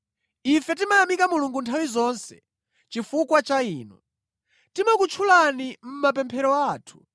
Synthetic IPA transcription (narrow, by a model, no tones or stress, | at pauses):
ifɛt̬imajamikamuluŋɡuntʰawizɔnsɛ̰ | t͡ʃifukwat͡ʃaiːnɔ̰ | timakut͡ʃʰulanim̩mapɛmpʰɛɾɔaːtʰu̥